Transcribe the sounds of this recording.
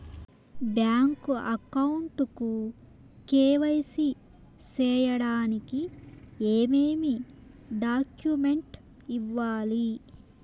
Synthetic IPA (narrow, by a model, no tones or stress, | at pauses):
bjaːŋkuʔɐkɐwuɳʈuku | keːʋɐjsi | t͡ʃɛːjɐɽaːnikieːmeːmi | ɖaːkjumeɳʈ | iʋːaːli